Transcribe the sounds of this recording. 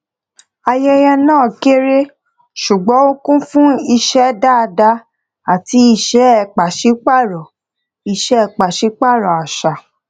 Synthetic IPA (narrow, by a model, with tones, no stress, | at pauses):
a˧jɛ˦jɛ˧nãː˦˨ke˦ɾe˦ | ʃu˨ɡ͡bɔ̃˨˦o˦kũ˦fũ˦i˧ʃɛ˦da˦˧da˧ | a˨ti˨˦i˧ʃɛ˦ɛ˨k͡pa˨ʃi˨˦k͡pa˦˨ɾɔ˨ | i˧ʃɛ˦ɛ˦˨k͡pa˨ʃi˨˦k͡pa˦˨ɾɔ˨a˨ʃa˨